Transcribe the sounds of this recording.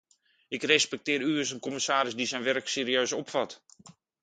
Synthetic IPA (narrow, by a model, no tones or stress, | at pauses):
ɪkrɛspɛk̚tɪːɾyəsənkɔməsaːɾɪsdisɛjnʋɛrkseːɾiøːsɔpfat